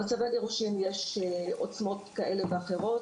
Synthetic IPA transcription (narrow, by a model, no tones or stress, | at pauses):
at͡savaɡeʁuʃimjeʃʔot͡smo̞t̪kaʔe̞leveaχeʁo̞